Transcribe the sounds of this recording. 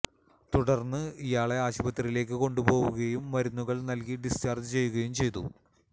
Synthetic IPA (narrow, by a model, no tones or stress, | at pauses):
t̪uɽɐrnːɨijaːɭe̞aːɕubɐt̪ːriile̞ːk̬ːɨko̞ɳɖubo̞ːʋuɣɐjumːɐɾunːuɣɐɭnɐlkiɖist͡ɕaːrd͡ʑɨt͡ɕe̞jːuɣɐjumt͡ɕe̞jt̪ṵ